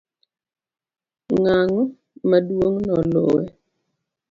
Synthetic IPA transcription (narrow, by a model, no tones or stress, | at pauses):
ŋaŋɔ | madwoŋnɔlʊ̰ɛ